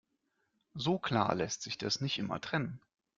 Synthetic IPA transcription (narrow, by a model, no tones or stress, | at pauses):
zoːkl̥a̰ːɐlɛstz̥ɪçd̥asnɪçtʔɪmɐ̰tʁ̥ɛnən